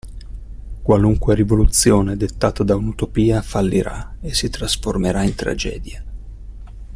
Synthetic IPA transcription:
kwaluŋkweɾivolut̪sːjoːned̪et̪ːaːt̪ad̪aunut̪opiːafalːiɾa̰esit̪ɾasformeɾaint̪ɾa̰d͡ʒɛ̰ːd̪ja

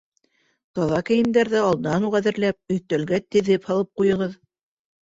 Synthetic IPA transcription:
t̪ɑðɑkæ̆jɘ̆nd̪æɾðæɑlˠd̪ɤ̆nɑnuʁæðɘ̆ɾlæp̚ɵ̆jt̪ælɡæt̪ɘ̆ðɘphɑlˠɤp̚qujɤ̆ʁɤð

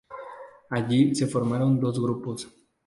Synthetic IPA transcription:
aʎisefoɾmaɾond̪ozɣɾupos

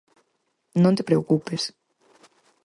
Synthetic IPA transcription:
nõnt̪e̥pɾeokupes

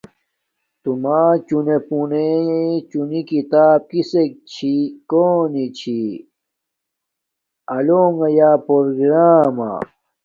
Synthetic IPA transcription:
t̪umaːt͡ɕunepunet͡ɕunikit̪aːb̚kisek̚t͡ɕʰikoːnit͡ɕʰi | ɐloːŋɐjaːpoɾɡɾaːma̰

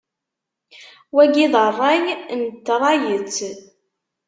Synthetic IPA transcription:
wæɡiðˤərˤːɑjnt̪ːɾˤɑjət͡sː

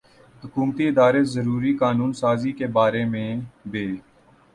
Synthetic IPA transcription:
hʊkuːmt̪iɪd̪aːɾeːzəɾuːɾiːkaːnuːnsaːziːkeːbaːɾeːmẽbeː

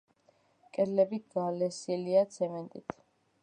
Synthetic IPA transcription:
kʼɛɾlɛbit̪̚ʰɡaːlɛsiliat̪sʰɛmɛnt̪ʼit̪ʰ

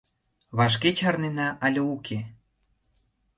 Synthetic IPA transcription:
βɑʃ̬ket͡ɕɑrnenɑʔɑlʲəukʰe

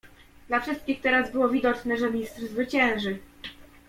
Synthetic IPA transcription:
d̪lafʂɘst̪̚kʲixt̪ɛɾazbɘwɔvʲid̪ɔt͡ʂnɛʐɛmʲist̪rzvɘt͡ɕɛ̃w̃ʐɘ

